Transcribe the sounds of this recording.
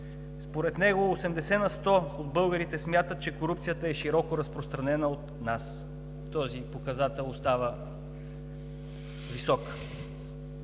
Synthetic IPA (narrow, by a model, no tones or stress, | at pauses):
spoɾɛt̪nɛɡoːsɛmd̪ɛsɛnɐst̪ɔod̪bɤlˠɡəɾit̪ɛsmʲjat̪ət̪̚t͡ʃɛkoɾup̚t̪sijət̪əɛʃiɾɔkoɾɐspɾost̪ɾɐnɛnəot̪nas | t̪ɔzipokɐzat̪ɛlˠost̪avə | visɔk